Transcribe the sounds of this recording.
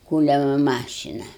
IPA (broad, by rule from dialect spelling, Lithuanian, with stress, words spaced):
ˈkuːlʲɛmɐ ˈmɑːʃʲɪnɐ